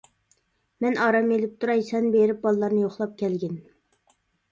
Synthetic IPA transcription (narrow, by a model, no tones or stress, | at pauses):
mɛnɑːɾɑmelɪp̚t̪ʰuɾɑjsɛnbeɾɪp̚bɑlˠlːˠɑɾnɨjoχlˠɑp̚kʲʰɛlɡʲɪn